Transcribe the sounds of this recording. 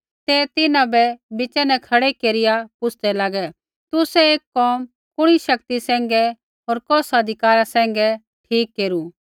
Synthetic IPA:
t̪ɛt̪ɪnãbɛbɪt͡ʃɛnɛkʰɐɽekeːɾɪjapʊt͡ʃʰd̪ɛlaːɡɛ | t̪ʊsɛeːkːɔːm | kʊɽ̃iʃɐkt̪isɛ̃ːŋ̆ɡɛ | ɦoːɾkɔːsɐd̪ʱɪkaːɾasɛ̃ːŋ̆ɡɛ | ʈʰiːkːeːɾu

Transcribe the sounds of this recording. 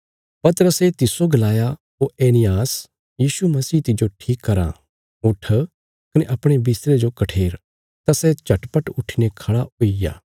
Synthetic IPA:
pɐt̪əɾəset̪ɪsoɡɐlaːja | ɦoeːnɪjaːs | jiːsumɐsiːt̪ɪd͡ʒoʈʰiːkːɐɾã̰ | ʊʈʰ | kɐneʔɐpɽ̃ebɪst̪ɾed͡ʒokɐʈʰeːɾ | t̪asɛt͡ʃɐʈpəʈʊʈʰinekʰɐɽaoija̰ː

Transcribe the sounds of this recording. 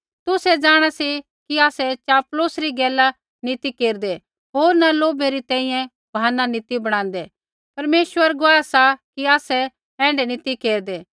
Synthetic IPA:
t̪ʊsɛd͡ʒaːɽ̃asi | kiaːsɛt͡ʃaːplosɾiɡɛːla | nɪt̪ikeːɾd̪e | ɦoːɾnɐloːbɛɾit̪ɛ̃ːĩjɛ̃ | bʱaːnanɪt̪ibɐɽ̃ãːnd̪ɛ | pɐɾmeːʃʋəɾɡʊaːɛsakiaːsɛ | ɛ̃ːɳɖɛnɪt̪ikeːɾd̪eː

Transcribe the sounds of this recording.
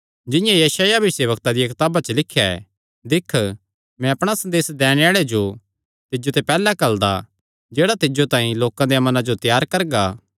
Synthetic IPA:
d͡ʒɪ̃jãjɐʃaːjabʱɪseːʋəkt̪ad̪ijɐkɪt̪aːbat͡ʃəlɪkʰːja | d̪ɪkʰː | mɛ̃ɐpɽ̃asɐ̃nd̪eːsd̪ɛːɽ̃eaːɭed͡ʒo | t̪ɪd͡ʒot̪ɛpɛːlakɐld̪a̰ | d͡ʒeːɽat̪ɪd͡ʒot̪ãːĩloːkãd̪ejamɐnãd͡ʒot̪jaːɾkɐɾɡaː

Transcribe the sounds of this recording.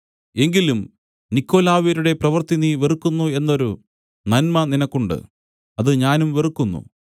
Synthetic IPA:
e̞ŋɡilum | nikːo̞ːlaːʋiɾuɽe̞prɐʋɐrt̪iniʋerukːunːue̞nːo̞ɾu | nɐnmɐninɐkːuɳɖɨ̰ | ɐðɨɲaːnumʋerukːunːṵ

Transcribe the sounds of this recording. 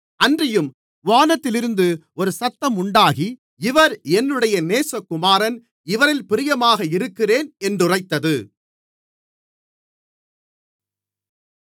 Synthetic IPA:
ɐndrɪjɯm | ʋaːnɐt̪ːɪlɪɾɯnd̪ɯ | ɔɾɯsɐt̪ːɐmʊɳɖaːɣi | ɪʋɐɾɛnːɯɽɐjɐneːsɐkːʊmaːɾɐn | ɪʋɐɾɪlpɪɾɪjɐmaːɣɐɪɾɯkːɪreːnɛndrɯrɐɪt̪ːɐðɯ

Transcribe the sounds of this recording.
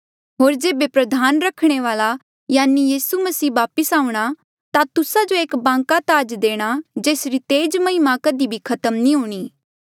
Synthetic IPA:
ɦoːɾd͡ʒeːbepɾɐd̪ʱaːnɾɐkʰɽ̃eʋaːla | jaːnijiːsumɐsiːʋaːpəsaːũɽ̃a | t̪at̪ʊsad͡ʒoeːkbãːŋkat̪aːd͡ʒd̪eːɽ̃ad͡ʒeːsɾit̪eːd͡ʒmɐɦɪmakəd̪ibʱikʰɐt̪əmnĩɦuːɽ̃iː

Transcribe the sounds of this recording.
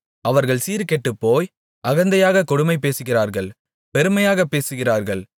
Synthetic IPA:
ɐʋɐɾɣɐɭsiːɾkɛʈːɯpːoːj | ɐɣɐnd̪ɐjaːɣɐkɔɽʊmɐɪpːeːsɯɣɪraːɾɣɐɭ | pɛɾɯmɐjaːɣɐpːeːsɯɣɪraːɾɣɐɭ

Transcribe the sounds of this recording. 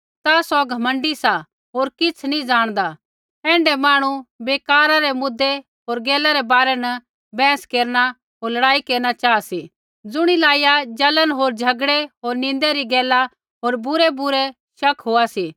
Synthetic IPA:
t̪asɔɡʱɐmə̃ɳɖisa | ɦoːɾkɪt͡sʰnĩd͡zaːɽ̃d̪a | ɛ̃ːɳɖɛmaːɽ̃ubeːkaːɾaɾemʊd̪ːe | ɦoːɾɡɛːlaɾɛbaːɾɛnɐ | bɛ̃ːskeːɾna | ɦoːɾlɐɽaːikeːɾñat͡ʃaːasi | d͡zʊɽ̃ilaːijad͡ʒɐlənɦoːɾd͡ʒʱɐɡɽeɦoːɾnɪ̃nd̪eɾiɡɛːla | ɦoːɾbʊɾebʊɾe | ʃɐkʰɦoːasiː

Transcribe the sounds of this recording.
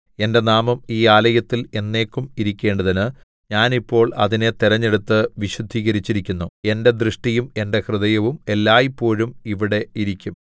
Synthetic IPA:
e̞nde̞naːmɐmiːaːlɐjɐt̪ːile̞nːe̞ːkːumiɾikʲːe̞ːɳɖɐðinɨ | ɲaːnipːo̞ːɭɐ̰ðine̞t̪iɾɐɲːeɽut̪ːɨʋiɕud̪ʱːiːɣɐɾit͡ɕːiɾikʲːunːue̞nde̞d̪rɨʂʈijume̞nde̞hrɨðɐjɐʋume̞lːaːjipːo̞ːɻumiʋiɽe̞iɾikʲːum

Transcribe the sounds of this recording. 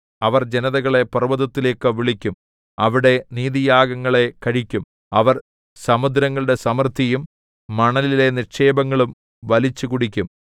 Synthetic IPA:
ɐʋɐrd͡ʑenɐðɐɣɐɭe̞pɐrɨʋɐðɐt̪ːile̞ːkːɨʋiɭikʲːum | ɐʋiɽe̞niːðijaːɡɐŋːɐɭe̞kɐɻikʲːum | ɐʋɐr | sɐmud̪ɾɐŋːɐɭɨɽe̞sɐmɐrt̪ʰijumː | ɐɳɐlile̞nirʂe̞ːbɐŋːɐɭum | ʋɐlit͡ɕːukuɽikʲːum

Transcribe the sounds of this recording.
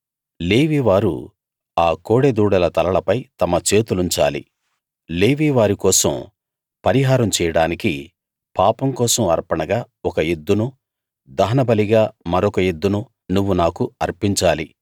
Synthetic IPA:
leːʋiːʋaːɾṵ | aːkoːɽed̪uːɽɐlɐt̪ɐlɐɭɐpɐjt̪ɐmɐt͡ʃe̞ːt̪uluɲt͡ʃa̰ːlḭ | leːʋiːʋaːɾikɔːsɐ̰m | pɐɾiɦaːɾɐmt͡ʃɛːjɐɽaːniki | paːpɐmkɔːsɐmɐ̰ɾpɐɳɐɡaː | ɔkɐjed̪ːunu | d̪ɐɦɐnɐbɐliɡaːmɐɾɔkɐjed̪ːunu | nuʋːunaːkuɐɾpiɲt͡ʃaːli

